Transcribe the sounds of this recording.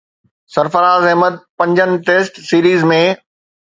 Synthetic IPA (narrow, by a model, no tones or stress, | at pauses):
sɐɾfəɾaːzɛɦməd̪̚pɐ̃ɲd͡ʑənɪ̆ʈeːsʈsiːɾiːzmẽ